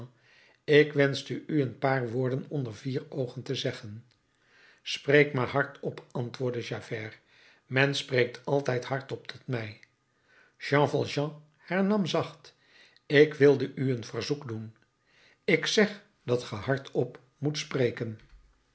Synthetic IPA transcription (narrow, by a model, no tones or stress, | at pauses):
ɪkʋɛnzdəʔyənpaːɹʋʊːɹdənɔndəɹviːrowχəntəzɛχən | sprejkmaːɹɦɑɹtɔpɑntʋʊːɹdəʒaːvɛːr | mɛnsprejk̚tʰɑlˠtɛjtɦɑɹtɔptʰɔtmɛj | ʒ̥ɑ̃ːfɑlˠʒɑ̃ | hɛɹnɑmzɑχt | ɪkʋɪlˠdəʔyənvərzukdun | ɪksɛχ | d̥ɑtχəɦɑɹtʰɔp | mutsprejkən